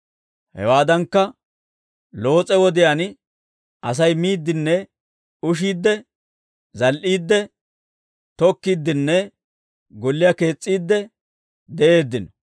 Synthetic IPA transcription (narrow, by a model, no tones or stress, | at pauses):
hɛ̰waːd̪ɐŋkːɐ | lo̞ːt͡sʼɛwɔd̪ɪjaːn | ɐs̬ɐjmiːd̪ːɪnːɛ | ʊʃ̬iːd̪ːɛ | zɐlʔiːd̪ːɛ | t̪ɔkːiːd̪ːɪnːɛ | ɡɔlːɪjake̞ːt͡sʼːiːd̪ːɛ | d̪ɛʔe̞ːd̪ːɪnɔ